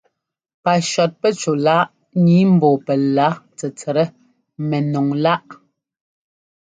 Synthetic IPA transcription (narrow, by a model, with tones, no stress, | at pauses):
pa˨ʃɔ˨t̚pɛ˦t͡ʃo˨la˦ʔ | ɲi˨˦m̩˨bɔː˨pɛ˨la˨˦t͡sɛ˨t͡sɛ˨ɾɛ˦ | mɛ˨nɔ˨ŋla˦ʔ